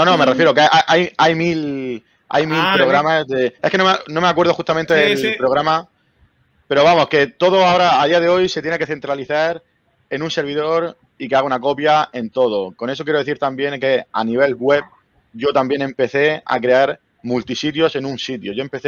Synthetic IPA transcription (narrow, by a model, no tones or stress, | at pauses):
nonome̞refje̞ɾokaʔaʔajajmil | a̰jmilpɾo̞ɣɾamazðeeske̞nomnõ̞meak̬we̞ɾðoxust̪amẽnt̪eelpɾo̞ɣ̞ɾama | pe̞ɾo̞βamo̞ske̞t̪o̞ðoaoɾaːðiað̞e̞o̞jse̞t̪jeneke̞θe̞nt̪ɾaliθaɾ | e̞nũnse̞ɾβ̞iðo̞ɾ | ikeaɣaunako̞pjae̞nt̪o̞ð̞o̞ko̞ne̞s̬okjeɾoe̞θiɾt̪ambje̞ŋke̞a̰niβ̞e̞lɣwe̞p̚ | ɟ͡ʝo̞t̪ambje̞nẽ̞mpe̞θe̞a̰kɾe̞aɾ | mult̪isit̪jo̞se̞nũnsit̪jo̞ʝo̞empeθe